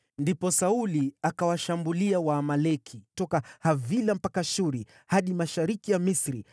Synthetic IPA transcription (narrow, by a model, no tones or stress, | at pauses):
ndipɔsauliakawaʃambuliawaːmalɛkʰitɔkahavilam̩pakaʃuɾi | haɗimaʃaɾikijamisɾi